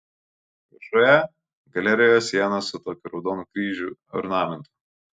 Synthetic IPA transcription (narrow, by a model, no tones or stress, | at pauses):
ʋʲɐʒojɛ | ɡɐlʲɛɾʲɪjoːsʲiɛnɐsʊt̪oːkʲuɾɒʊd̪oːnuːkɾʲiːʒʲuɔ̰ɾnɑːmʲɛnt̪ʊ̥